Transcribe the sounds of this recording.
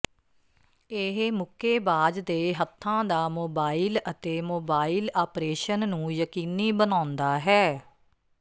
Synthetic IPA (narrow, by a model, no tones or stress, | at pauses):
eɦmʊkʰeːbaːd͡ʒd̪eːɦət̪ʰːãːd̪aːmoːbaːilət̪eːmoːbaːiːlaːpɾeːʃənːũːjəkiːniːbənãːnd̪aːɦɛː